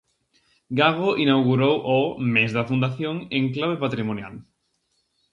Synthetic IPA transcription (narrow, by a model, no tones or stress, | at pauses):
ɡaɣoʔinawɣuɾowʔɔmezðɐfund̪aθjoŋẽŋklaβepat̪ɾimonja̰l